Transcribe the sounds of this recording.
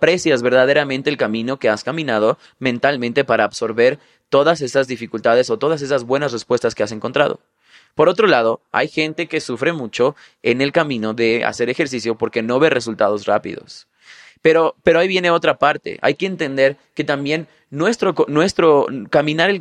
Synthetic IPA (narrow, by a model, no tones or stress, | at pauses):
pɾe̞sjazβe̞ɾðaðe̞ɾamẽnt̪eːlkamĩno̞ke̞askamĩnað̞o̞ | mẽnt̪almẽnt̪e̞paɾaːβso̞ɾβe̞ɾ | t̪o̞ðase̞sazðifikult̪að̞e̞so̞t̪o̞ð̞as̬e̞sazβwe̞nasre̞spwe̞st̪aske̞as̬e̞ŋko̞nt̪ɾa̰ð̞o̞̰ | po̞ɾo̞t̪ɾo̞lað̞o̞a̰jxe̞nt̪e̞ke̞sufɾe̞mut͡ʃo̞ | ene̞lkamĩno̞ðe̞a̰se̞ɾe̞xe̞ɾs̬isjo̞po̞ɾke̞no̞βe̞re̞sult̪að̞o̞zra̰pḭðo̞̰s | peɾope̞ɾoaiβje̞ne̞o̞t̪ɾapaɾt̪e̞̰ʔa̰jke̞ːnt̪e̞nd̪e̞ɾ | ke̞t̪ambje̞nː | we̞st̪ɾokonwe̞st̪ɾokamĩnaɾel